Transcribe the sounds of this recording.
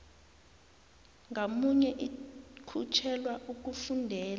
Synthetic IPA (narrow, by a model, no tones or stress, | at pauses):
ŋamuɲɛʔikʰut͡ʃʰɛlwaʔuk̬ufundʱɛːla